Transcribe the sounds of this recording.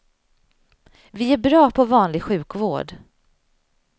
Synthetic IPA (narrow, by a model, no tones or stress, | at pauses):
vɪæbɾɑːpʰɔvɑːnlɪɡɧʉ̟ːkvo̰ːɖ